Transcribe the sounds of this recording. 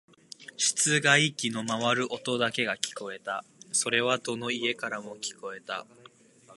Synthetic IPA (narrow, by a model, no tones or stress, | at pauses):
ɕi̥t͡sɨɡaikʲino̞maβaɾɯ̟ʔo̞t̪o̞d̪ake̞ɡakʲi̥ko̞e̞t̪aso̞ɾe̞β̞ad̪o̞no̞ie̞kaɾamo̞kʲi̥ko̞e̞t̪a̰